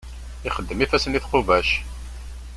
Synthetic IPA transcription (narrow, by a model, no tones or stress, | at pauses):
ɪχəd̪ːəmifæsəniθqoʊvæʃ